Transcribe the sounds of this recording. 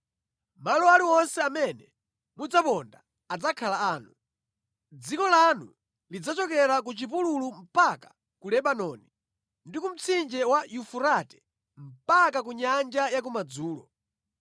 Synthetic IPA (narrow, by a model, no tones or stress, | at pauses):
malɔaliwɔnsɛamɛnɛ | mud͡zapɔndaː | d͡zakʰalaaːnu | d͡zikɔlanṵ | lid͡zat͡ʃɔkɛɾak̬ut͡ʃip̬ululum̩pakḁ | kulɛɓanɔni | ndikum̩t͡sʰind͡ʒɛwajufuɾatɛ̥ | m̩pakakuɲand͡ʒajak̬umad͡zuːlɔ